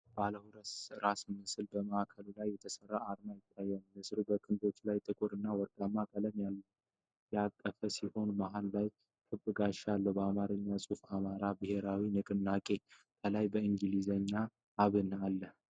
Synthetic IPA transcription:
baləhuɾəsɾasmɨsɨlbəməakʰəlulajːɛt̪ʰəsərːaʔaɾmajɪt̪ʰːajːɛnmɨsɾubəkʰʼɨnd̪o̞t͡ʃlajt̪ʼɨkʼuɾɨnːawɔɾkʼamːakʼələmjalː | jakʼːəfəsiho̞nmaɦallaj | k̪ʰɨbːɨɡaʃalːəwbəamaɾɨɲːasʼufamaɾabɨhe̞ɾawinɨkʼɨnːakʼe̞t̪ʰəlajbəiŋɡɨlizəɲːa | aβɨnalːəh

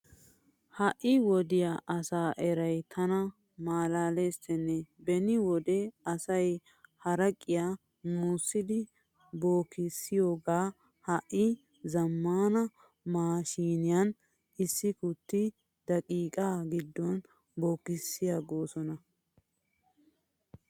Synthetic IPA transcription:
hɐʔɪwɔd̪ɪjaʔɐsaːʔɛɾɐjt̪ʰɐnɐ | maːlaːleːsɛnːɛbɛnɪwɔd̪ɛɐsɐj | hɐɾɐkʼːɪjaː | nuːsːɪd̪ɪ | bo̞ːkːɪsːɪjo̞ːɡaː | hɐʔɪ | zɐmːaːnɐ | maːʃiːnɪjɐn | ɪsːɪkʊt̪ːɪ | d̪̥ɐkʼiːkʼaːɡɪd̪ːɔn | boːkːɪsːɪjaːɡo̞ːsɔnɐ

